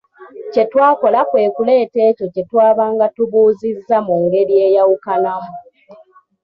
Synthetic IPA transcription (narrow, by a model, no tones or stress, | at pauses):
ce̞twaːko̞lakwe̞ːkule̞ːte̞ːco̞ce̞twaːβaːŋɡatuβuːzizːamuːŋɡe̞ɾie̞ːjawukanamu